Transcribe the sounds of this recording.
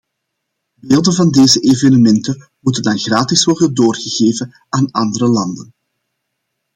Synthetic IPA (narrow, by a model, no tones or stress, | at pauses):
beːlˠdənvɑndeːzəʔeːvenəmɛntə | mutəndɑnɣraːtɪsʋɔrdədoːrɣəɣeːvən | aːnɑndəɾəlɑndən